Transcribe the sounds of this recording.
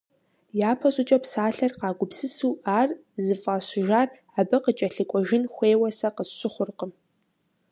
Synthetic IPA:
jaːpʰɐɕʼʊt͡ʃʼɐpsaːɬɐrqɑːɡʷʊpsɨsuːaːr | zɨfʼaːɕɪʒaːr | abɐqət͡ʃʼɐɬɨkʷʼɔʒɪnxʷeːwɐsɐqəɕɪχʷʊrqəm

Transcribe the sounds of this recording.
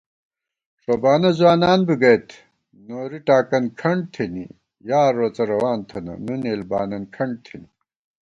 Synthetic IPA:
ʂoːbaːnɐzwaːnaːnbiɡɐjt̪ʰ | noːɾiʈaːkɐnkʰɐɳɖ̚t̪ʰenḭ | jaːɾoːt͡sɐɾɐwaːnt̪ʰɐnɐ̰nuneːlba̰ːnɐnkʰɐɳɖ̚t̪ʰini

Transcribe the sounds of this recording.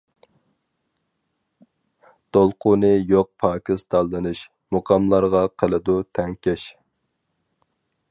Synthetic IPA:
d̪̥olˠqʰʊnɨjoq̚pʰɑːkʲʰist̪ɑlˠːɨnɨʃ | moqʰɑmlˠɑɾʁɑqʰəlˠɨd̪ut̪ʰɛŋkʲɛʃ

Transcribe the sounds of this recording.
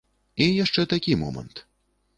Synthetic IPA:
ijaʂt͡ʂɛt̪akʲimɔ̰mɐ̰nt̪

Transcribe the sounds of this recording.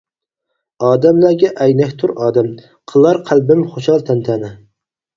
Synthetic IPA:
ɑːd̪ɛmlæɾɡʲɛʔɛjnɛkʲt̪ʰuɾɑːd̪ɛm | qʰəlˠɑɾqʰælbɪmχoʃɑlˠt̪ʰɛnt̪ʰænɪ

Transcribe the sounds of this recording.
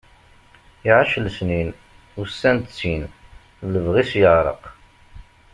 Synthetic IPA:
iʕaʃlsnin | uɾsːænt̪t͡sːin | ləvʁisjəʁɾˤə̰q

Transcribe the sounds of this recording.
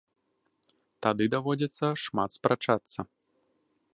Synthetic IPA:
t̪ad̪ɨd̪avɔd͡zʲɐt̪sːɐʂmat̪spɾat͡ʂat̪sːɐ

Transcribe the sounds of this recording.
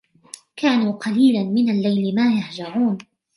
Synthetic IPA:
kaːnuːqɑliːlanmɪnalːajlɪmaːjaħd͡ʒɑɾˤuːn

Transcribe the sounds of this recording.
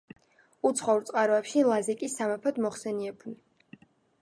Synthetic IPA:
ut̪sʰχɔuɾt̪sʼqʼaɾɔɛpʃilˠazɛkʼisːamɛpʰɔd̪mɔχsɛniɛpʰuni

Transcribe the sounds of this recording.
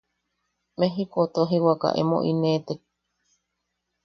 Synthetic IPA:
meɦikot̪oɦiwaka̰ʔḛmõ̰ʔinet̪e

